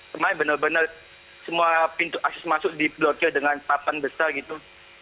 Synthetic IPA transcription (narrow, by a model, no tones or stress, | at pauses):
kəmaɪnbənərbənər | səmuapint̪ʊʔak̚sɛsmasʊʔdiblɔrkədəŋanpapanbəsarɡit̪u